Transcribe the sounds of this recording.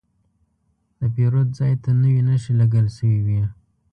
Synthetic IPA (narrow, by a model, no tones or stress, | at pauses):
d̪̥əpeɾod̪̚zɑjt̪anəwinəʃilaɡəlsəwiwi